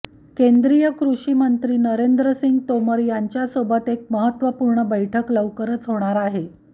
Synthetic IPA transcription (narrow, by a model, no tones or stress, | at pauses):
kend̪ɾijəkɾuʂiːmənt̪ɾiːnəɾend̪ɾəsiŋɡt̪oməɾjaɲt͡ɕjasobət̪ek̚məɦət̪ːʋəpuɾɳəbəjʈʰəkləʋkəɾət͡sɦoɽ̃aɾaɦe